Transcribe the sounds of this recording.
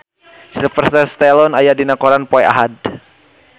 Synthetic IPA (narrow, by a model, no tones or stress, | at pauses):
silifərsit̪ɛst̪ɛlɔnajadinakɔɾanpɔɛa̰ɦad̚